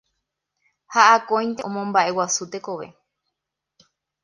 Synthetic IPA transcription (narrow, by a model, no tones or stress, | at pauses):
haʔakõj̃nt̪eʔõmõmbaʔe̞wasut̪e̞ko̞ʋe̞̰